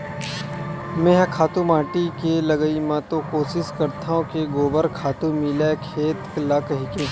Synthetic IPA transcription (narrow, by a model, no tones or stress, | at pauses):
mẽɦkʰaːt̪ũmãːʈikelɐɡəimãt̪okoːsɪskɐɾt̪ʰaɦõkeɡoːbəɾkʰaːt̪ũmɪlakʰeːt̪lakɐɦikẽː